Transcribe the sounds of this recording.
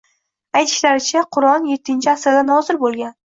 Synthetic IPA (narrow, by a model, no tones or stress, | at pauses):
ajt̪ʰɪ̥ʃlaɾɪt͡ʃʰaqʰʊɾɒnje̞t̪ʰːɪnt͡ʃʰɪasɾd̪anhɒzɪɾbolˠɡʲan